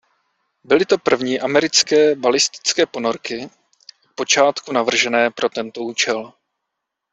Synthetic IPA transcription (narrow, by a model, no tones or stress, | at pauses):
bɪlɪt̪o̞pr̩vɲiːʔamɛɾɪt͡skɛːbalɪst̪ɪ̥t͡skɛːpo̞no̞ɾkɪ | po̞t͡ʃaːt̪kunavr̩ʒɛnɛːpɾo̞t̪ɛnt̪o̞uːt͡ʃɛl